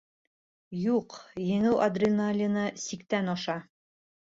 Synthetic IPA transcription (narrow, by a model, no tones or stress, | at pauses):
juqjɘ̆ŋɘwʔɐd̪rʲɪnalʲɪnɤsikt̪ænɒʃɑ